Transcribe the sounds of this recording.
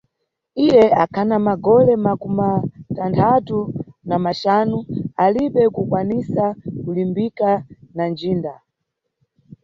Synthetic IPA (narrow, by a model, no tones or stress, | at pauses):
ijɛakʰanamaɡɔlɛmakumatantʰatunamaʃanualiɓɛkukwanisakulimbikanand͡ʒiːnda